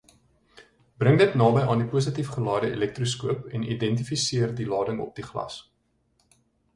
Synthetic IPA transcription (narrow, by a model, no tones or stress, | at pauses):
b̥rəŋdətnɑːbəjʔɑːndipuəs̬ətifχəlɑːdəḭlɛk̚truskuəpɛnidɛnt̬ifisiərdilɑːdəŋɔ̰p̚diχlɐ̰s